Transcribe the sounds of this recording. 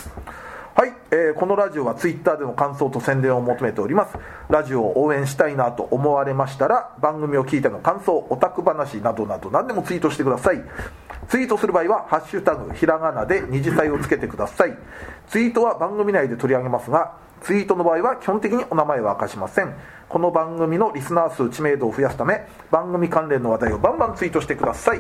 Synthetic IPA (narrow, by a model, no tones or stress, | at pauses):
hai | eːko̞no̞ɾaʑio̞βat͡sɨit̪ːaːd̪e̞no̞kãɰ̃so̞ːt̪o̞sẽnd̪ẽ̞ɰ̃omo̞t̪o̞me̞t̪e̞oɾʲimasɨ̥ | ɾaʑio̞ʔoːẽ̞ɰ̃ɕi̥t̪ainat̪o̞̰ʔːmo̞βaɾe̞maɕi̥t̪aɾabãŋɡɯ̟mʲio̞kʲiːt̪eno̞kãɰ̃so̞ːʔot̪akɯ̟banaɕinad̪o̞nad̪o̞nãnd̪e̞mo̞t͡sɨiːt̪o̞ɕit̪ekd̪asai | t͡sɨiːt̪o̞sɨɾɯ̟baːiβahaɕːɯt̪aɡɯ̟̰çiɾaɡanad̪e̞ɲ̟iʑisaio̞t͡sɨ̥ke̞t̪e̞kɯ̟d̪asai | t͡sɨiːt̪o̞βabãŋɡɯ̟mʲinaid̪e̞t̪o̞ɾʲiaɡe̞masɨɡa | t͡sɨiːt̪o̞no̞baːiβakʲi̥hõ̞nt̪ekʲiɲ̟io̞namae̞βaːkaɕimasẽ̞ŋ | ko̞no̞bãŋɡɯ̟mʲino̞ɾʲisɨnaːsɨːt͡ɕime̞ːd̪o̞ːɸɯjasɨ̥t̪ame̞ | b̥ãŋɡɯ̟mʲikãnɾẽ̞nːo̞β̞ad̪aio̞bãmbãnt͡sɨiːt̪o̞ɕi̥t̪e̞kɯ̟d̪asai